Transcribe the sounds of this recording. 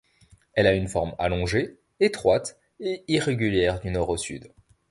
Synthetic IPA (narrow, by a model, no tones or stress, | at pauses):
ɛlaynfɔʁma̰lɔ̃ʒe | et̪χwat̪ | eiʁeɡʲyljɛʁd̪ynɔʁosy̰d̪